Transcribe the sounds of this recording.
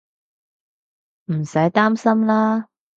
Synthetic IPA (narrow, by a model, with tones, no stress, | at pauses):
m̩˨˩sɐ˨˥jt̪aː˥msɐ˥mlaː˥